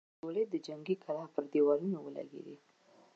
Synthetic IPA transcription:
oled̪əd͡ʒaŋɡikʰalɑpəɾd̪ewɑlunowəla̰ɡḛd̪i

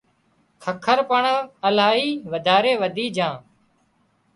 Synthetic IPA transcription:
kʰəkʰəɾpəɳəlaːɦiːʋəd̪ʱaːɾeːʋəd̪ʱiːd͡ʒãː

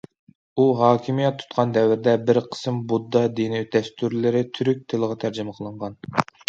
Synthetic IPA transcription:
uɦɑːkʲʰimijɛt̪ʰːu̥t̪qʰɑnd̪ɛwɪɾɪd̪ɛbɪɾqʰə̥sɨmbud̪ːɑd̪iniyd̪ɛst̪ʰuɾlɪɾɪt̪ʰyɾyk̚ʲt̪ʰɨlˠəʁɑt̪ʰæɾd͡ʒɪməqʰəlˠəɴʁɑn

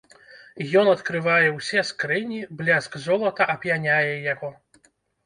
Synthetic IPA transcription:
jɔnɐt̪kɾɨvajɛwsʲɛskɾɨnʲiblʲaskzɔlˠɐt̪ɐʔɐpjanʲajɛjaɣɔ

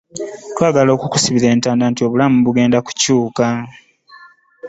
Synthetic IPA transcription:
twaːɡalo̞ːkuku̥siβiɾe̞ːntaːndaːntio̞βulamuβuɡe̞ːndaku̥cuːka

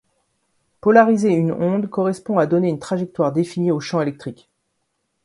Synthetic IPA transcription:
pɔlaʁizeynɔ̃d̪kɔʁɛspɔ̃ad̪ɔneynt̪χaʒɛk̚t̪waʁd̪efinioʃɑ̃elɛk̚t̪χik

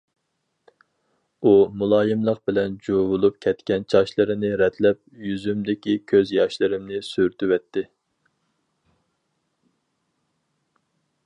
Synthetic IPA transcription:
umulˠɑːjɨmlˠəq̚bɪlɛnd͡ʒovulˠup̚kʲʰɛt̪kʲɛnt͡ʃʰɑʃlˠɨɾɪnɪɾɛt̪ʰlɛp̚jyzymd̪ɪkʲikʲʰøzjɑʃlˠɨɾɪmnɪsyɾt̪ʰywɛt̪ʰːɪ

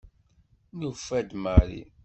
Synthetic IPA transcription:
nufæd̪maɾḭ

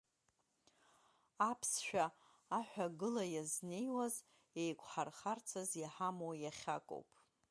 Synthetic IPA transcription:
apʰsʃᶣaː | ħʷᶣaɡɨlajazne̞jwaz | ejkʷʰʼħarχart͡sʰazjaħamojaχʲa̰kʼo̰wpʼ

